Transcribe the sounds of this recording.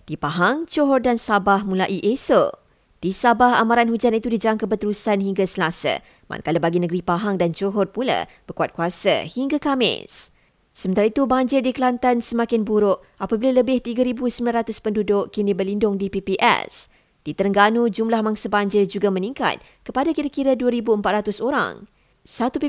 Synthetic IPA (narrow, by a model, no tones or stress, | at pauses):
d̥ipaɦaŋt͡ʃoɦɔrdansabahmũlaʔiʔeso̰ | d̥isabahamaɾanhud͡ʒanit̪udid͡ʒaŋkəbət̪əɾusanɦiŋɡasəlasə̰ | mʔa̰nkaləbaɡinəɡɾipaɦaŋdant͡ʃoɦɔrpula̰b̥ərkuat̪̚kuasə̰hiŋɡakamɪ̰sː | əmənt̪aɾait̪ubaɲd͡ʒɪrdikəlant̪ansəmakɪnbuɾʊʔ | apabilaləbɪht̪iɡaɾibusəmbilanɾat̪ʊspəndudʊʔkinibərlindʊŋdipipiʔɛ̰s | d̥it̪əɾəŋɡanũd͡ʒumlahmãŋsabaɲd͡ʒɪrd͡ʒuɡamə̃nĩŋka̰t̪̚ | kəpadakiɾakiɾaduəɾibuəmpat̪̚ɾat̪ʊsoɾa̰ŋ | sat̪u